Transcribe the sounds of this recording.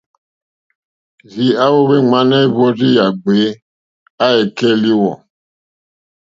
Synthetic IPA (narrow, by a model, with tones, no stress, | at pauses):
zi˨a˦wo˦βe˦ŋ͡ma˦nɛ˦i˦bɔ˦ɾi˦ja˨ɡ͡be˨˦ | a˦ɛ˨kɛ˦li˦wɔ̰˨